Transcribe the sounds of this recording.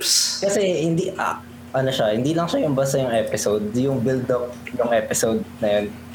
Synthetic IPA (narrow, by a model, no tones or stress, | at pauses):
skɐsɛhɪnd̪iʔa̰ | ʔɐnoʃahɪnd̪iːlɐŋʃajʊmbɐsɐjʊŋʔɛpɪsowd̪̚jʊŋbɪld̪ok̚nʊŋʔɛːpɪsowd̪̚nɐjon